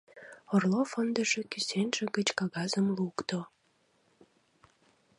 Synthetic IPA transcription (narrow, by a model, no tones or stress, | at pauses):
orlofənd̪ə̆ʒĕkysenʒĕɣət͡ɕkɑɣɑzəmlukt̪o